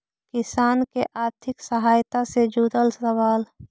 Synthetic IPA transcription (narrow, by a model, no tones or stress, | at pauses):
kɪsaːnkeʔaːɾt̪ʰɪksəɦaːjt̪ased͡ʒuːd̪əlsɾəʋaːl